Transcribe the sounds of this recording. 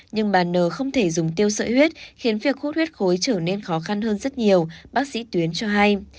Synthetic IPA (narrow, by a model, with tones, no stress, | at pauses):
ɲɨ˧ŋɓaː˨˩nːəː˧˩xə˧wŋ͡mt̪ʰe˧˩zʊ˨˩ŋ͡mt̪i˧əwsə̰ː˧˨hwi˦˥t̚xi˨˦ənvi˨˩ək̚xu˦˥t̚hwi˦˥t̚xo˨˦jt͡ɕəː˧˩ne˧nxɔ˨˦xa˧nhəː˧nzə˦˥t̚ɲi˨˩əwɓaː˦˥k̚sḭ˧˥t̪wi˨˦ənt͡ɕɔ˧ɦa˧j